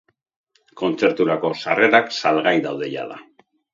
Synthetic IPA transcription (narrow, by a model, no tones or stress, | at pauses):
ko̞nt͡se̞ɾt̪uɾako̞sa̰re̞ɾaksalɣajðawðe̞ʎa̰ða